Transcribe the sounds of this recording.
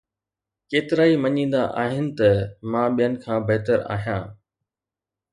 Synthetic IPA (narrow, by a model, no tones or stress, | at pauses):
keːt̪ɪɾaːimɐɲĩːn̆d̪aʔaːɦɪnɪ̆t̪ɐmãːɓijənɪ̆kʰãːbɐɦt̪əɾa̰ːɦijãː